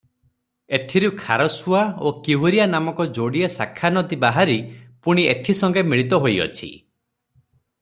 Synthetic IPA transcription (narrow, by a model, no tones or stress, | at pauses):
et̪ʰiɾukʰaɾɔsuaokiɦuɾijanamɔkɔd͡ʒoɽiesakʰːanɔd̪ibaɦaɾipuɽ̃iʔet̪ʰisɔŋɡemiɭit̪ɔɦojɔ̰t͡ʃʰḭ